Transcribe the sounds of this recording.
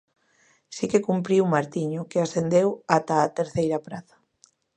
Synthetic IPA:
sikekumpɾiwmaɾt̪iɲʊkeasθend̪ewat̪aːt̪eɾθejɾapɾaðɐ̥

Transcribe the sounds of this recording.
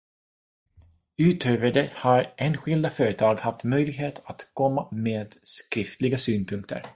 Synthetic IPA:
ʉ̟ːt̪ʰøːvəɖɛhaɾʔeːnɧɪld̪afœːɾət̪ʰɑːɡhaft̪mœjlɪɡɦeːt̪ʰat̪kʰɔmːameːd̪skɾɪft̪lɪɡasyːnpʰɵŋk̚t̪ʰə̰ɾ

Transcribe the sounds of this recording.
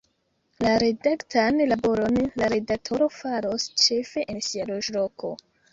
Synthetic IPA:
laɾe̞daktʰanlabo̞ɾo̞nlaɾe̞dak̚tʰo̞ɾo̞faɾo̞st͡ʃe̞fe̞ʔensialoʒlo̞kʰo̞̰

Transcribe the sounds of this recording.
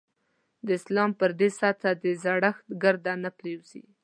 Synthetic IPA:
d̪əɪslɑmpəɾd̪esɑt̪ad̪əzaɽaxt̪ɡaɾd̪anaplewzḭ

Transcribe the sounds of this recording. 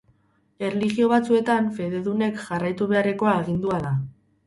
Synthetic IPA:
e̞rliɣio̞β̞at͡sue̞t̪aɱfe̞ðe̞ðune̞kʝarajt̪uβe̞are̞ko̞aeɣ̞ind̪uaða

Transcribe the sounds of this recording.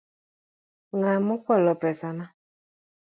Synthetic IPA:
ŋamʊkʷɔlɔpɛsana

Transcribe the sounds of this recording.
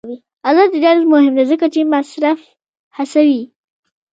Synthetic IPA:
wi | alɑd̪ədɑɾazmʊhɪmd̪azəkat͡ʃemasɾaf | hasawi

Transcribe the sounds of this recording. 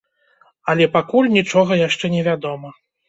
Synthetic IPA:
ɐlʲɛpakulʲnʲit͡ʂɔɣɐjaʂt͡ʂɛnʲɛvʲad̪ɔmɐ

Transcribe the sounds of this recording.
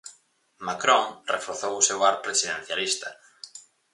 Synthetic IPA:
makɾõŋrefoɾθowʊsewaɾpɾesiðen̟θjalist̪ɐ

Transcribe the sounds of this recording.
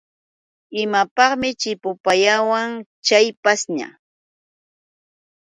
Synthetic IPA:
ɪmapɑχmɪt͡ʃɪpʊpajawaŋt͡ʃajpasɲa̰

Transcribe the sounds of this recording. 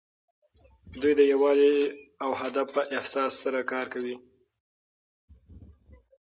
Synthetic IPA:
d̪ujd̪əjawɑziawhad̪afpəʔɪhsɑsːaɾakɑɾkawi

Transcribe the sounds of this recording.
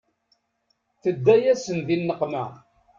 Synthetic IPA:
θəd̪ːæjæsənðinːəqmæ

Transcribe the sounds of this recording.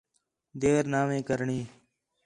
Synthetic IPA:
d̪eːɾnaːmẽːkəɾɳiː

